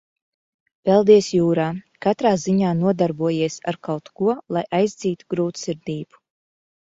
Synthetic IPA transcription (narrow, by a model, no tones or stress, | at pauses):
pɛlˠd̪iɛsjuːɾaː | kat̪ɾaːziɲaːnuɔd̪aɾbuɔjiɛsa̰ɾkawt̪kuɔlˠajʔajzd̪ziːt̪uɡɾuːt̪siɾd̪iːb̥u̥